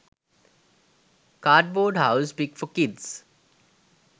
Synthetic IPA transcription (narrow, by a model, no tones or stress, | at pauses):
kaːɖ̚boːɖhaʊsbiɡfɔkɪɖs